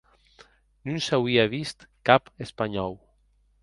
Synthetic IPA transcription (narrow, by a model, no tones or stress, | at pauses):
nunsawiaβist̪kapespaɲɔw